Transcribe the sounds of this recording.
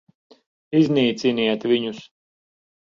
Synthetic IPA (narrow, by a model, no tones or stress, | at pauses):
izʲniːt̪siniɛt̪viɲus